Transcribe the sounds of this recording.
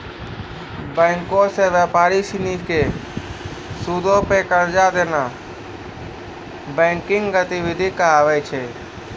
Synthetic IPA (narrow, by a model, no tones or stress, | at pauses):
bɛ̃ːŋkõseʋjaːpaːɾisɪnike | sud̪ʱõpekəɾd͡ʒad̪eːna | bɛ̃ːŋkɪ̃ŋɡɡət̪iwɪd̪ʱikaaːʋɛt͡ʃʰe